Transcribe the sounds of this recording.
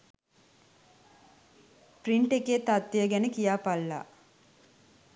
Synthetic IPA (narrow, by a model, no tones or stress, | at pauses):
priɳʈekeːt̪at̪ːejəɡɛnəkijaːpalːa̰